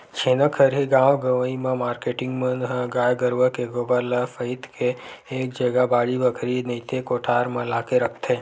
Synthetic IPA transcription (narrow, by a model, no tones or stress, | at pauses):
t͡ʃʰeːnəkʰəɾɦiɡãːwɡəʋəimẽmaːɾkeʈɪ̃ŋɡmɐnɦɡaːjɡəɾʋəkeɡoːbəɾləfəɪt̪kʰeːk̚d͡ʒəɡabaːɽibəkʰɾinəɪt̪ʰekoːʈʰaːɾmɐ̃laːkeɾɐkʰt̪ʰeː